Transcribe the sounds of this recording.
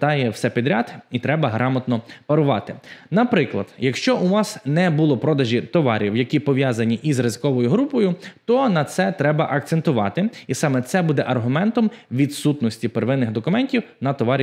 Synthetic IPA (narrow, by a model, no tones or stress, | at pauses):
d̪ɑjɛwsɛpʲid̪ɾʲat̪it̪ɾɛbɐɦɾɑmɐt̪nɔpɐɾʊʋɑ̰t̪ɪnɐpɾɪklˠɐ̰d̪̥jɐkʃt͡ʃɔʔuʋɑsnɛbulˠɔpɾɔd̪ɐʒʲit̪ɔʋɑ̰ɾʲiwjɐkʲipɔʋʲjɑzɐnʲiʔizrɪzɪkɔʋɔjʊɦɾupɔjʊt̪ɔnɐt̪sɛt̪ɾɛbɐʔɐk̚t̪sent̪ʊʋɑ̰t̪ɪisɑmɛt̪sɛbud̪ɛʔɐrɦʊmɛnt̪ɔmʋʲid̪sut̪nɔsʲtʲipeɾʋɪnːɪxd̪ɔkʊmɛnʲtʲiwnɐt̪ɔʋɑɾʲ